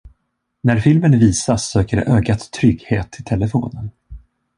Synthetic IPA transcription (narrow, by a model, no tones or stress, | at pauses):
næɾfɪlmənviːsasːøːkəɖɛ̰ʔøːɡat̪ʰːɾʏɡheːt̪ʰːɪlt̪ʰɛlːəfo̰ːnən